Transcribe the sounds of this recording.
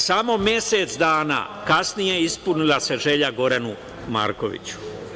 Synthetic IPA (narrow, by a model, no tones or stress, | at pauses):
samo̞mje̞set̪sd̪aːna̰ːkasnije̞ispunilase̞ʒe̞ʎaɡo̞ɾanu | ma̰ːɾko̞̰ʋḭt͡ɕu̥